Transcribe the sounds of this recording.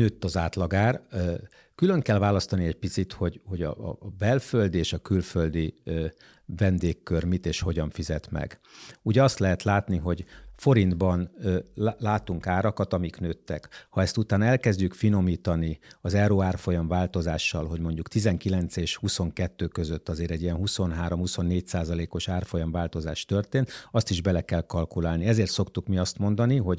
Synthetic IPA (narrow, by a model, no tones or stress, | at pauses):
nøːt̪ːɒzaːt̪lɒɡaːr | kylø̞ŋkɛlvaːlɒst̪ɒniɛɟ̚pit̪sit̪ho̞ɟho̞ɟɒ̰bɛlføld̪ieːʃɒkylføld̪i | vɛnd̪eːkːørmit̪eːʃho̞ɟɒɱfizɛt̪mɛ̰ɡuːɟɛɒst̪lɛɦɛt̪laːt̪niɦo̞ɟfo̞ɾind̪bɒn | laːt̪uŋkaːɾɒkɒt̪ɒmiknøːt̪ːɛ̰khɒɛst̪ut̪aːnɛlkɛzɟykfino̞miːt̪ɒniɒzɛɾoːaːrfo̞jɒɱvaːlt̪o̞zaːʃːɒ̰lɦo̞ɟmo̞ɲɟukt̪izɛŋkilɛnt̪seːʃhuso̞ŋkɛt̪ːøːkø̞zøt̪ːɒzeːɾɛɟijɛnɦuso̞nɦaːɾo̞mhuso̞nːeːcsaːzɒleːko̞ʃaːrfo̞jɒɱvaːlt̪o̞zaːʃt̪ø̞rt̪eːnt̪ɒst̪iʒbɛlɛkɛlkɒlkulaːlniɛzeːrt̪so̞kt̪ukmiɒst̪mo̞nd̪ɒniɦo̞ɟ